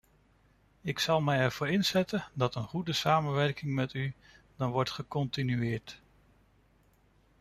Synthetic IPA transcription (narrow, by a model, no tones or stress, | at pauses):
ɪksɑlˠmɛjɛɹv̥ʊːɹɪnzɛtəndɑtənχudəsaːmənʋɛɹkɪŋmɛty | d̥ɑnʋɔɹtχəkɔntinyɪːɹt